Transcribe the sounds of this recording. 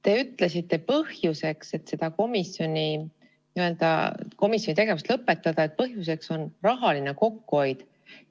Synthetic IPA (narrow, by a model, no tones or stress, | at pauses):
t̪e̞yt̪ːˑlesit̪ːe̞pɤhjuse̞kse̞t̪se̞d̪̥ɑko̞misjo̞nʲi | niø̞ld̪̥ɑ̰ko̞misjonit̪e̞ɡe̞vust̪lɤpːˑe̞t̪ˑːɑd̪̥ɑet̪̚pɤɦjus̬e̞kso̞nrɑɦɑline̞ko̞kːuo̞jd̪̥